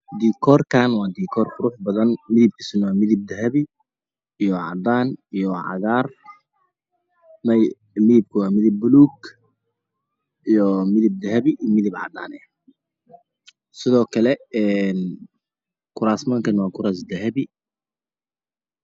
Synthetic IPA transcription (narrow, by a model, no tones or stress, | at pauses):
d̪iːkʰɔːrkʰaːnwɑːd̪iːkʰɔːrkʰʊɾuːħbɐðɐnmɪðɪb̚kʰɪ̥sɪnwaːmɪðɪb̚d̪ɐɦɐβiː | jɔʕɑ̰d̪aːnijɔʕɑ̰ɣaːr | mɐj | mɪðɪb̚kʰʊwɑːmɪðɪb̚ːʊluːɡ | ijɔmɪðɪb̚d̪ɐɦɐβiʔmɪðɪbʕɑ̰d̪a̰ːnɛ | sɪðɔːkʰɐlɛɛn | kʰʊɾaːsmaːŋkʰɐnwɑːkʰʊɾaːs̬d̪ɐɦɐβi